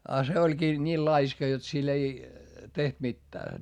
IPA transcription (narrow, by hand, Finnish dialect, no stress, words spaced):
ɑ se olʲkiː nʲiːl lɑiskɑ jot sil ei teht mitːæː